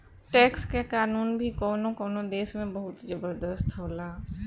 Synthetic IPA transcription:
ʈɛːkskekaːnuːnbʱikɔːnõkɔːnõd̪eːʃmẽbɐɦʊt̪d͡ʒəbəɾd̪əst̪ʰɦoːlaː

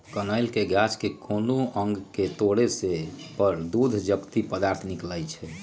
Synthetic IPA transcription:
kənəjlkeɡad͡ʒkekʰonoəŋɡket̪oɽesepəɾd̪ud̪ʱd͡ʒəkt̪ipəd̪aɾt̪ʰnikləjt͡ʃʰɛ

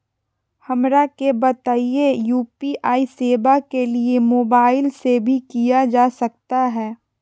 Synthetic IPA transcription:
hɐmɾakebɐt̪aːiejuːpiʔaːiseːbakeliemoːbaːɪlsebʱikijad͡ʒaːsɐk̚t̪aɦɛː

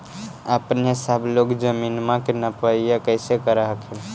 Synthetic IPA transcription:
əpnesəbʱlokd͡ʒəminmãkenəpəijakəɪsekəɾəɦəkʰel

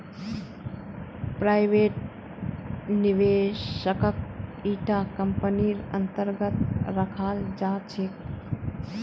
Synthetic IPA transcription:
pɾajʋeʈ | niʋeʃəkək̚iːʈakəmpəniɾə̰nt̪əɾɡət̪ɾəkʰaːld͡ʒaːt͡ʃʰek

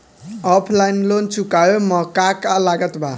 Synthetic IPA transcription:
ʌpʰlajnlont͡sukajomʌkakalaɡʌt̪bʱa

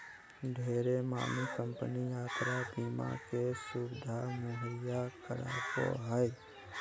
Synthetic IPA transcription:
ɖʱeːɾema̰ːmikə̃mpəniaːt̪ɾabiːma̰kesubɪd̪ʱamuɦɾɪjakəɾa̰ːko̰ɦəj

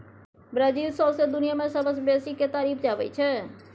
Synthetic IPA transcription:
bɾad͡ʒiːlsɔːsed̪ʊnijamẽsəbəsbeːsikːet̪aːɾiːpʰd͡ʒaːʋəit͡ʃʰɛ

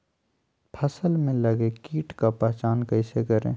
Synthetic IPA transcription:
pʰɐsəlmẽlɐɡekiːʈkapɛːt͡ʃaːnkɐiɪsekɐɾḛ̃ː

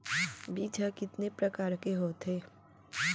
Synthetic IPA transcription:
biːd͡ʒʱakɪt̪nepɾɐkaːɾkeɦoːt̪ɦeː

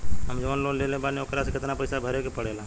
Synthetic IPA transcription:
ɦɐmd͡ʒɐʋaːnloːleːlẽbaːneoːkɾasekɪt̪napɐɪsabʱɐɾekepɐɽeːlaː

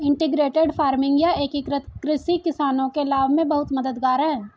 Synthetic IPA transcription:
ɪ̃ɳʈɪɡɾeːʈeɖfʰaːɾmɪ̃ŋɡjaeːkikɾət̪kɾɪsikɪsaːnõkeɐlaːʋmẽbɐɦʊt̪mɐd̪əd̪ɡaːɾɦɛɛ̃ː

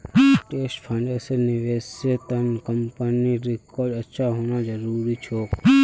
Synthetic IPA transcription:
ʈesʈpʰaɪɳɖesənːiʋeset̪ənkəmpəniɾɪkɔɾɖəʃaɦonãd͡ʒəɾuɾit͡ʃʰo

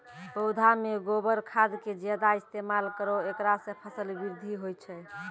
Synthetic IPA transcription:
pəwd̪ʱameɡobəɾkʰad̪ked͡ʒed̪aist̪emalkəɾɔekɾasẽpʰəsəlbiɾd̪ʱiɦojt͡ʃʰɛ

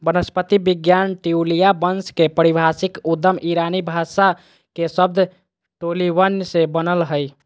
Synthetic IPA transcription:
bənəspət̪ibiɡjanʈiulijabənskepəɾibʱasikud̪ːəmʔiɾanibʱasa | kesəb̚d̪ʱ | ʈoliʋənsẽbənəlɦəj

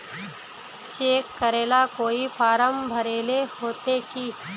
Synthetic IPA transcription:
t͡ʃeːkːəɾeːlakoːipaːɾəmbʱəɾeːlehoːt̪ekiː

